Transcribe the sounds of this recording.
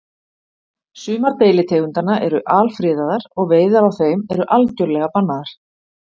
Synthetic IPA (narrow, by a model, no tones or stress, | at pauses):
sʏːmaɾt̪eːjlɪt̪ʰeːɣʏnt̪anaʔɛɾʏʔaːlfɾɪːðaðaɾɔɣveːjðaɾawθeːjmɛɾʏʔalcœɾlɛɣapanːaðaɾ̥